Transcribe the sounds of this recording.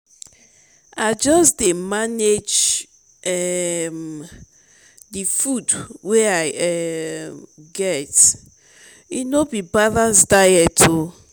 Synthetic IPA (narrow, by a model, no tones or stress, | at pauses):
ad͡ʒɔsdemaned͡ʒ | ɛm | difudweaɪɛ | ɡɛt | inobibaðazdajɛtʰo